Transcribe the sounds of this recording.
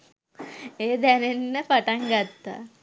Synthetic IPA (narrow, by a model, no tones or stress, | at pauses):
eːd̪ɛnenːəpaʈaŋɡat̪ːa̰